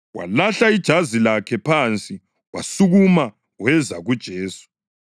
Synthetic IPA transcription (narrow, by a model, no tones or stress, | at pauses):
wa̰laɬaid̥ʒ̥ʱazilakʰɛpʰant͡sʼi | wa̰suɣuma | wɛzaɣud̥ʒ̥ʱeːsu̥